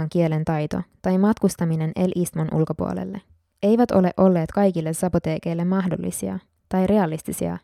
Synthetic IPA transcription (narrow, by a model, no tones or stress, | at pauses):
ŋk̟ie̞le̞nt̪ɑjt̪o̞̰t̪ɑjmɑt̪kust̪ɑmine̞nʔe̞lʔist̪monʔṵlko̞pṵolḛlːe | e̞jʋæt̪o̞le̞ʔo̞lːe̞ːt̪kɑjkilːesɑpot̪e̞ːke̞jlːe̞mːɑɦdo̞̰lːḭsiɑ̰ | t̪ɑjɾe̞ɑlist̪isḭɑ̰